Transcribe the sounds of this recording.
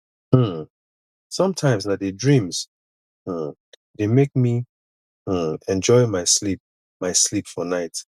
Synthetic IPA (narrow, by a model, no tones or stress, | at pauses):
m̩ | sʌ̃mtʰãɪ̃mznadedɹĩmz̥ | m̩ | demek̚mi | ɛ̃nd͡ʒɔɪmaɪslip̚ | maɪslipfɔnaɪt